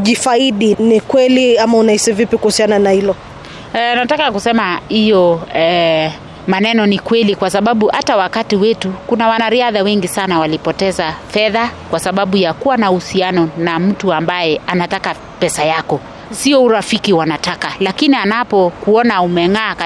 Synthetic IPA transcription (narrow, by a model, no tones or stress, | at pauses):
ʄifaiɗinikwɛliamaunaisivipikuhusiananahilɔ | natakakusɛmahijɔɛ | manɛnɔnikwɛlikwasaɓaɓuhatawakatiwɛtukunawanaɾiaðawɛŋɡisanawalipɔtɛzafɛðakwasaɓaɓujakuwanahusianɔnam̩tuambajɛanataka | pɛsajakɔ | siɔuɾafikiwanatakalakinianapɔkuɔnaumɛŋaː